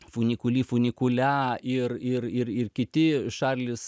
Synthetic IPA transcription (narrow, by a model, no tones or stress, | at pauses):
fʊnʲɪkʊlʲiːfʊnʲɪkʊlʲæɪrɪrɪrɪrkʲɪt̪ʲɪʃɑːrʲlʲɪs